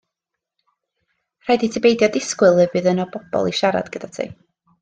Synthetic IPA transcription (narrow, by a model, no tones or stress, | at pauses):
r̥ajditʰɪbejdjɔdɪskwɨlˠəvɨðənɔbɔb̥ɔ̰lˠiʃaɾa̰dɡ̥əd̥atʰḭ